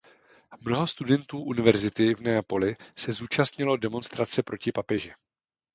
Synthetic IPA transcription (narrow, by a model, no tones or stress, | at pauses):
mno̞ɦo̞st̪udɛnt̪uːʔunɪvɛɾzɪt̪ɪvnɛapo̞lɪsɛzuːt͡ʃast̪ɲɪlo̞dɛmo̞nst̪ɾat͡sɛpɾo̞cɪpapɛʒɪ